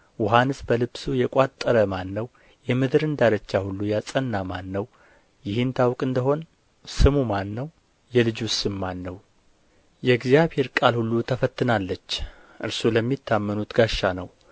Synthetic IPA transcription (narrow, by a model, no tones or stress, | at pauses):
wɔɦanɨsbəlɨbsujɛkʼat̪ʼːəɾəmanːəw | jɛmɨd̪ɨɾɨnd̪aɾət͡ʃːahulːujasʼənːamanːəw | jɪhɨnt̪ʰawkʼɨnd̪əɦo̞n | sɨmumanːəw | jɛlɨd͡ʒʊsɨnmːanːəw | jɛɡzjaβhe̞ɾkʼalhulːut̪ʰəfət̪ʰːɨnalːət͡ʃː | ʔɨɾsuləmːit̪ʰːamːənut̪ɡaʃːanəw